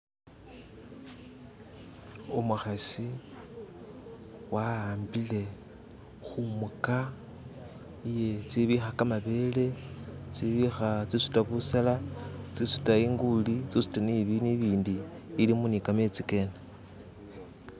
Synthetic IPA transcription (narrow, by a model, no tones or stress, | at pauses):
omuxasi | waaːmbile̞ | xumuka | ije̞t͡siβixakamaβe̞ːle̞t͡siβixat͡sisu̥taβusalat͡sisu̥taiŋɡulit͡sisu̥taniβiniβiːndiː | limunikame̞t͡sike̞na